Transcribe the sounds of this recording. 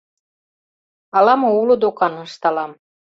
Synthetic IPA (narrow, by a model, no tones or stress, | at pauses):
ɑlɑmɤulod̪okɑnɤʃt̪ɑlɑm